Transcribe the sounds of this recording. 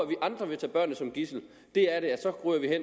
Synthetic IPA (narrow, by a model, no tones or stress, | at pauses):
ʋiʔɑ̈nd̥ʁɐʋe̝t͡sʰɛ̰ːb̥ɶɐnːəsɒ̽mɡ̥isl̩ | d̥e̝æɐɾe̝æsɒ̽ɡ̥ʁyːɐʋiɦen̰